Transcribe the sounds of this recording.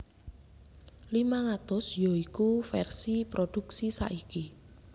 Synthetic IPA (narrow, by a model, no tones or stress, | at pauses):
limaŋat̪ʊsjoikufɛrsipɾod̪̥uksisa̰ʔiki